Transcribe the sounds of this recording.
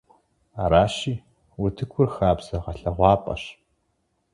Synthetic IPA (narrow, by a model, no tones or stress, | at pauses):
aɾaːɕiː | wʊtʰɨkʷʰʊrxaːbz̥ɐʁɐɬɐʁʷɑːpʼɐ̰ɕ